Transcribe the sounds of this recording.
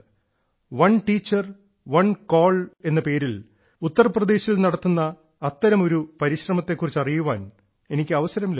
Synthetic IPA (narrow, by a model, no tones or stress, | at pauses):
ʋɐɳʈiːt͡ɕːɐr | ʋɐnkoːɭe̞nːɐpe̞ːɾil | ut̪ːɐrprɐd̪e̞ːɕilnɐɽɐt̪ːunːɐː | t̪ːɐɾɐmo̞ɾupɐɾiɕrɐmɐt̪ːe̞kːurit͡ɕːɐrijuʋa̰ːn | e̞nikʲːɨɐʋɐsɐɾɐml